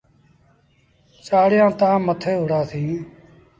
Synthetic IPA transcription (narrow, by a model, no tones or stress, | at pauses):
t͡ʃaːɽjãːt̪ãːmət̪ʰeːɦʊɽãːsʰĩː